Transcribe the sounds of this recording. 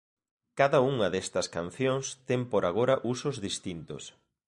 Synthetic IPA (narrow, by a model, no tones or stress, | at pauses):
kaðɐuŋɐðest̪ɐskanθjoŋst̪ɛmpoɾaɣ̞oɾɐʔusozðist̪int̪o̰s